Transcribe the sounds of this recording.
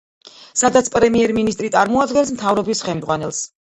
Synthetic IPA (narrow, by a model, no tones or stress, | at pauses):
sad̪at̪sʰpʼɾɛmiɛɾminist̪ʼɾit̪sʼaɾmɔad̪ɡɛnsmt̪ʰavɾɔbisχɛmd̪zʁwanɛlˠs